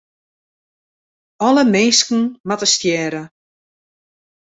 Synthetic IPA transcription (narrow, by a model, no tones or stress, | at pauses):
ɔləmeːskn̩matəstjɛːɾə